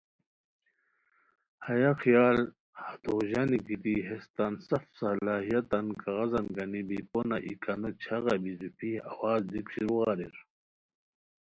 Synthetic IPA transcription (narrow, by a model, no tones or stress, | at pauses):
hɐjaqijaːl | hat̪oʑaniɡid̪iɦest̪ansɐfsɐlaːɦijat̪ɐnkɑɣɑzɐnɡɐnibiponaʔḭkanot͡ɕʰaʁɑbizupʰiawaːzd̪ikɕiɾuɣɑɾḭɾ